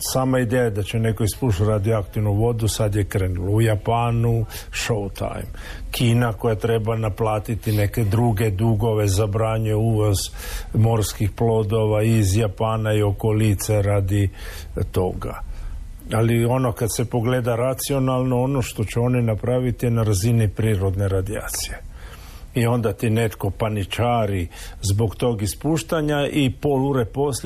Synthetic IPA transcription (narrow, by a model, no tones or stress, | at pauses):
saːmaid̪ejad̪at͡ɕene̞ko̞ispuʃaɾad̪ioakt̪iʋnuʋo̞d̪usad̪jekɾenuloujapaːnuʃowt̪ʰa̰jmkʰiːnako̞jat̪ɾe̞banaplˠaːt̪it̪ine̞ke̞d̪ɾuɡe̞d̪uɡo̞ʋe̞zabɾaːɲeuʋozmo̞ɾskixplo̞d̪o̞ʋaizjapaːnaio̞kolit̪seɾad̪i | t̪o̞ɡa̰ | alio̞no̞kad̪se̞po̞ɡle̞d̪aɾat̪sio̞nalˠno̞ono̞ʃt̪o̞t͡ɕuo̞ninapɾaʋit̪inaɾazinipɾiːɾo̞d̪ne̞ɾad̪ia̰ːt̪sije̞ | io̞nd̪at̪ine̞t̪ko̞panit͡ʃaːɾizbo̞ɡt̪o̞ːɡispuːʃt̪aɲaʔipo̞luɾepo̞s